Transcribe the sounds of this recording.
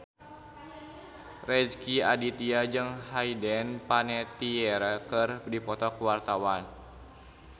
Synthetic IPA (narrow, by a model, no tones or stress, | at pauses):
rɛd͡ʒkiadit̪iad͡ʒɨŋɦaidɛnpanɛt̪iɛɾakərdipɔt̪ɔkəwart̪awan